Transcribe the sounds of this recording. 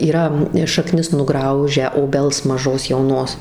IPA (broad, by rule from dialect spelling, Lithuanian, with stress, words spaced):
iːˈrɐ ʃɐˈknʲɪs nʊˈɡrɐʊʒʲæː oːˈbʲɛlˠs mɐˈʒoːs jɛʊˈnoːs